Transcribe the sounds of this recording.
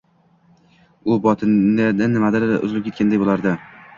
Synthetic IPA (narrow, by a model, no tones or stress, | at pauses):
ʊbɒt̪ʰɪnɪnɪnːɪmad̪ɪɾʊ̰zlɪpʲkʲʰet̪̚ʲkʰʲand̪ajbolˠaɾd̪ɪ